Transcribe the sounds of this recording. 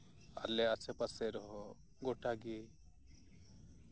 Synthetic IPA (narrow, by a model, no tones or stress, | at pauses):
a̰lɛasʰɛpasɛɾɔɦɔ | ɡoʈaɡe